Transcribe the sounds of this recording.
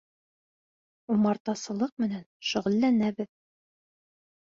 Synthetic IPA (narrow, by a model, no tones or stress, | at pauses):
umɑɾt̪ɑsɤ̆lˠɤq̚mɘ̆nænʃŭʁɘ̆lːænæbɘð